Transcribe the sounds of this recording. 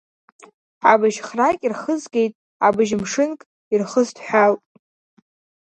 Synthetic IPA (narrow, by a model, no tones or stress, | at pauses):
abɨʒχrakʲʼirχəzɡʲe̞jtʼ | a̰bɨʒmʂɨnkʼ | irχəztʰħʷᶣaltʼ